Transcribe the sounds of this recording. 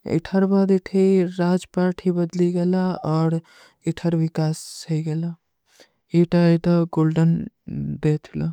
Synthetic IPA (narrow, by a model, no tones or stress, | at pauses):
ḛʈʰəɾbad̪eʈʰiɾad͡ʒpaɾʈʰibəd̪liɡelaɔːɾ | eʈʰəɾbikassʰəjɡela | iʈait̪əɡolɖən | d̪et̪ʰilɔ̰